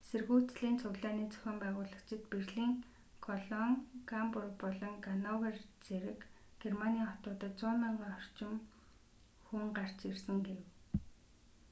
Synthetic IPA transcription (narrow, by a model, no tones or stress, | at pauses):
serɣuːt͡sɮiːnt͡sʰʊɣɮaːniːt͡sʰœ̥xʲɔːmpæːʁʊːɮə̆kt͡ɕɪ̆t̪̚perɮiːŋ | kʰɔɮɔŋɡampʊrpɔɮɞ̆ŋɡanɔwert͡seɾɘ̆k | ɡ̥ermaniaːχɔt̪ʊːt̪ə̆t͡sʊːmɪɴɢaːɔr̥t͡ɕɪ̆m | xuŋɢar̥t͡ɕirsɘ̆ŋɡew